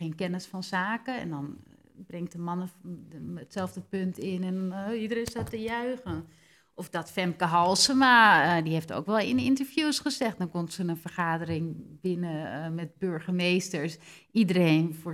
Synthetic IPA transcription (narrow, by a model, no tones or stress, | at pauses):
eːnkɛnəsfɔnsaːkəɛ̰ndɔn | brɪŋtəmɑnə | ətsɛlˠvdəpøntʰɪnɛnidərensatəjœɥɣən | ʔɔfdɔtfɛmkəɦɔlˠsəmadihefto̰ːkʋɛlˠɪnintəɹfjuːsχəsɛxt̚dɔnkɔntsənənfərxaːdərɪŋbɪnəmɛt̚bøɹxəmeːstəɹs | idəreːnfʊː